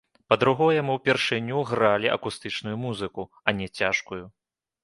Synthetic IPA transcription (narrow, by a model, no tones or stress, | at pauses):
pɐd̪ɾuɣɔjɛmɨwpʲɛrʂɨnʲuɣɾalʲiʔɐ̰kust̪ɨt͡ʂnujumuzɨku | ɐnʲɛt͡sʲaʂkuju